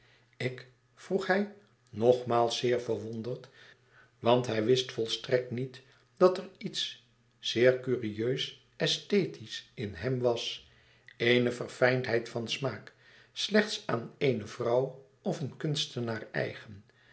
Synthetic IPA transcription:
ɪk | fruχɦɛj | nɔχmaːlˠsːɪːɹvəɹʋɔndəɹt | ʋɑntɦɛjʋɪstfɔlˠstrɛk̚tnit | d̥ɑtərits | z̥ɪːɹkyːriøɥs | ɛstejtisɪnɦɛmʋɑs | ejnəvərfɛjntɦɛjtfɑnsmaːk | slɛχtsaːnejnəvrʌw | ɔfənkɵnstənaːɹɛ̰jχən

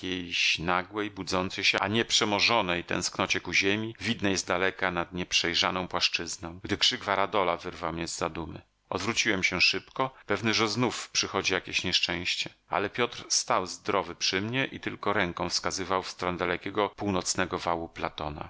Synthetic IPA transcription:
akʲejɕnaɡwɛjbud̪zɔnt̪sɛjɕɛʔaɲɛpʂɛmɔʐɔnɛjt̪ɛ̰̃w̃sknɔt͡ɕɛkuʑemʲivʲid̪nɛjɛst̪̚d̪alɛkanad̪ɲɛpʂɛjʐa̰nɔ̃w̃pwaʂt͡ʂɘznɔ̃w̃ɡd̪ɘkʂɘɡvaɾad̪ɔlavɘɾvawmɲɛzːad̪umɘ̰ | ɔ̰d̪vɾut͡ɕiwɛmɕɛʂɘpkɔpɛvnɘʐɛznufpʂɘxɔd͡ʑijakʲeɕɲɛʂt͡ʂɛ̃w̃ɕt͡ɕɛa̰lɛpʲjɔt̪ɾst̪awzd̪ɾɔvɘpʂɘmɲɛʔit̪ɘlkɔɾɛŋkɔ̃w̃fskazɘvawfst̪ɾɔnɛd̪alɛkʲɛɡɔpuwnɔt̪snɛɡɔvawuplat̪ɔna̰

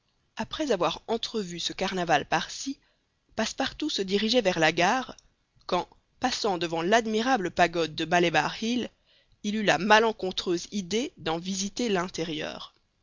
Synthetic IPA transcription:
apχɛzavwaʁɑ̃t̪χəvysəkaʁnavalpaʁsi | paspaʁt̪usəd̪iʁiʒɛvɛʁlaɡaːʁ | kɑ̃ | pasɑ̃d̪əvɑ̃lad̪miʁabləpaɡɔd̪̚ːəbaleba̰ʁhil | ilylamalɑ̃kɔ̃t̪χøzid̪ed̪ɑ̃vizit̪elɛ̃t̪eʁjœ̰ːʁ

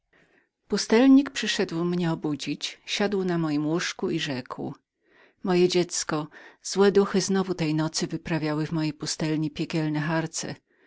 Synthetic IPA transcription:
pust̪ɛlɲikpʂɘʂɛd̪wmɲɛɔbud͡ʑit͡ɕɕad̪wnamɔjimwuʂkuiʐɛkw | mɔjɛd͡ʑɛt̪skɔz̥wɛd̪uxɘznɔvut̪ɛjnɔt̪sɘvɘpɾavʲjawɘvmɔjejpust̪ɛlɲipʲjɛkʲɛlnɛxaɾt̪sɛ̰

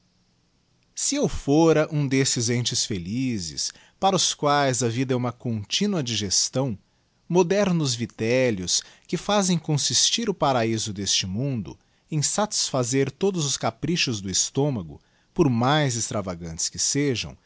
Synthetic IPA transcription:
sɪewfoɾɐʔũd̪esɪzẽnt͡ʃɪsfelizɪ̰s | paɾɐʊskwajzɐvid̪ɐɛũmɐkõnt͡ʃĩnuɐd͡ʒiʒest̪ɐ̃w̃ | mod̪ɛɾnʊzvit̪ɛljʊskɪfazẽj̃kõsist͡ʃiɾʊpaɾaizʊd̪est͡ʃɪmũnd̪ʊ̰ | ẽj̃sat͡ʃi̥sfazeɾt̪od̪ʊzʊskapɾiʃʊzd̪ʊist̪õmɐɡʊ̰ | pʊɾmajzɪst̪ɾavaɡɐ̃nt͡ʃ̪ɪ̥skɪseʒɐ̰̃w̃

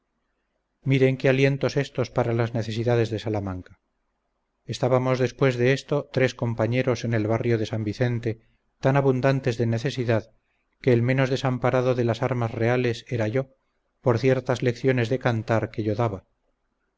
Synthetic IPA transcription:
miɾe̞ŋkealje̞nt̪ose̞st̪o̞spaɾalazneθe̞s̬iðað̞e̞zðe̞salamaŋkḁ | est̪aβamo̞zðe̞spwe̞zðe̞est̪o̞t̪ɾe̞sko̞mpaɲe̞ɾo̞se̞ne̞lβarjo̞ðe̞sambiθe̞nt̪e̞ | t̪anaβund̪ant̪e̞zðe̞ne̞θe̞siðað | ke̞ːlme̞nozðe̞sampaɾaðoðe̞lasaɾmazre̞ale̞se̞ɾaʝo̞ | poɾθje̞ɾt̪azle̞kθjo̞ne̞zðe̞kant̪aɾkeʝo̞ðaβa

